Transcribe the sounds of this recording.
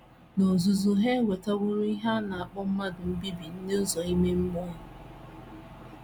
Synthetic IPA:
no˨zu˨zu˨ɦe˦we˨ta˦ɡʊ˦ɾʊ˦i˦ɦa˦na˨a˨k͡pɔ˦m̩˦ma˦dʊ˨m̩˦bi˦bi˨n̩˦ne˦ʊ˦zɔ˨i˦me˦ŋ͡m̩˦mɔ˦ɦʊ˨

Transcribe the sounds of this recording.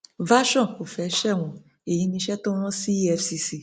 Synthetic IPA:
va˦ʃɔ̃˦˨ko˨fɛ˨˦ʃɛ˦˨w̃ɔ̃˨ | e˨ji˨˦nĩ˧ʃɛ˦to˦w̃ɔ̃˦si˦ɛ˧fsi˧si˨

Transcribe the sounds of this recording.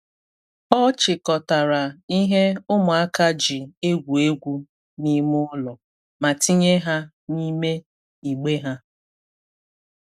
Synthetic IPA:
ɔ˦t͡ʃɪ˨kɔ˨ta˨ɾa˨i˦ɦe˦ʊ˦mʊ˨a˦ka˦d͡ʒi˨e˦ɡʷu˨e˦ɡʷu˦ | ni˦mʊ˦ʊ˦lɔ˨ | ma˨ti˦ɲe˦ɦa˦ | ni˦me˦ | i˨ɡ͡be˦ɦa˦

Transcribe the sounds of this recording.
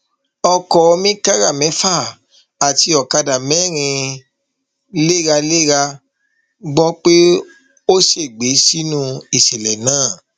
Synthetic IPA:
ɔ˧kɔ˨˧mĩ˦ka˦ɾa˦˨mɛ̃˨˦fa˦˨ | a˨ti˧ɔ˨ka˧da˨mɛ̃˨˦˨ɾ̃ĩ˧ | le˦˨ɾa˧le˦˨ɾa˧ | ɡ͡bɔ˦k͡pe˦ | o˦ʃe˦˨ɡ͡be˨˦si˦nũ˦i˨ʃɛ˨lɛ˨nãː˦˨

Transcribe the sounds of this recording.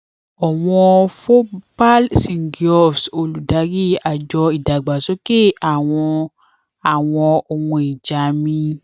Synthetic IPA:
ɔ˨w̃ɔ̃˧fo˦pa˦lsĩ˨ŋ̩˨ɡi˨ɔ˦˨fso˧lu˨da˨˦ɡi˦˨a˨d͡ʒɔ˧i˨da˨ɡ͡ba˨so˨˦ke˦˨a˨w̃ɔ̃˧ | a˨w̃ɔ̃˧o˧wũ˧i˨d͡ʒa˨˦mĩ˧

